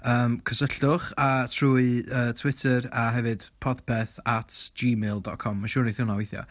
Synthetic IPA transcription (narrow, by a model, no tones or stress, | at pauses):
əːmkʰəsəɬʊχatʰruːɨəːtʰw̥ɪtʰəɾaɦɛvɨd̥pʰɔdpʰɛθatʰd͡ʒiːmeːlˠdɔt̚kʰɔmːaʃʊːniθɪwnawejθjɔ̰